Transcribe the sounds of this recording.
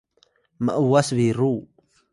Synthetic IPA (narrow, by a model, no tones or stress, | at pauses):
ma̰ʔuwasβiɾu